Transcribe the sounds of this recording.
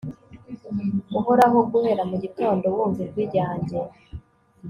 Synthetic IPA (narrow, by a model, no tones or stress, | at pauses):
ɡuɦoɾaɦo̞ɡuhe̞ːɾamuɟito̞ːndo̞wuːɱviɾɡwiɾɟaːɲɟe